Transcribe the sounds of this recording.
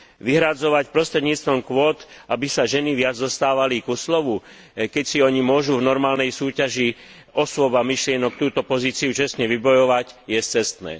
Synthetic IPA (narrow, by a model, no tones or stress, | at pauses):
ʋiɦɾad͡zɔʋacpɾɔst̪ɾɛd̪ɲiːt͡st̪ʋɔmkʋɔt̪abisaʒɛniʋɪad͡zd̪ɔst̪aːʋaliɡuslɔʋu | kɛcsiɔɲimʊɔʒuvnɔɾmaːlnɛjsuːcaʒi | ɔsʊɔbamiʃlɪɛnɔk̚t̪uːt̪ɔpɔziːt͡siut͡ʃɛst̪ɲɛʋibɔjɔʋacjɛst͡sɛst̪nɛ̰ː